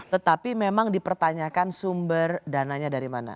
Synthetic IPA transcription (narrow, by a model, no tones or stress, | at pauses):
t̪ət̪apimemaŋdipərt̪aɲakansumbərdanaɲadaɾimana̰